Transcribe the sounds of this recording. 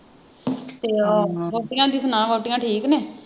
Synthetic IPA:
t̪eːɔːbɔːʈɪjãːd̪iːsənãːboːʈɪjãːʈʰiːkneː

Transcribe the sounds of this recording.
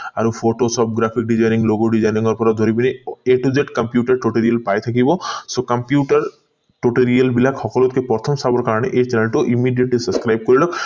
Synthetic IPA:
aɾupʰoʈosɔp̚ɡɾapʰik̚ɖizajniŋloɡoɖizajniŋɔɾpɔɾad̪ʱɔɾibineeʈuzeʈkɐmpjuʈaɾʈuʈeɾialpajt̪ʰakibɔsokɐmpjuʈaɾ | ʈoʈeɾialbilakhɔkɔlot̪̚kepɔɾt̪ʰɔmsabɔɾkaɾɔɽ̃eʔet͡ʃɛnelʈɔʔimiɖijeʈlisəskɾajb̚kɔɾilɔk

